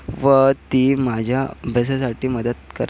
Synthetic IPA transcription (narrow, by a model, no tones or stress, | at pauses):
ʋət̪iːmad͡ʑʱjabʱəs̬as̬aʈiːməd̪ət̪̚kəɾ